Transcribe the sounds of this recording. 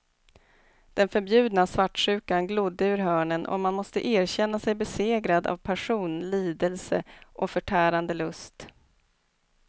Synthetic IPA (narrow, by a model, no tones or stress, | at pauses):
d̪̥ɛnfœɾbjʉ̟ːd̪nasvaʈːʂʉ̟ːkanɡlʊd̪ːəʉ̟ɾɦœːɳənʔɔ̰manmɔst̪ə̰ʔeːɾɕɛnːasɛjbɛseːɡɾad̪a̰vpʰæʂuːnliːd̪əlsə̰ʔɔfœʈʰæːɾand̪əlɵst̪